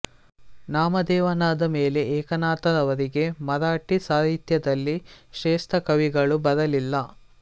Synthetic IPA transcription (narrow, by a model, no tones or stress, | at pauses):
naːmɐd̪ɛːʋɐnaːd̪ɐmeːle̞ɛːkɐnaːt̪ɐɾɐʋɐɾiɡe̞mɐɾaːʈisaːɦit̪jɐd̪ɐlːiʃɛːst̪ʰɐkɐʋiɡɐɭubɐɾɐlilːɐ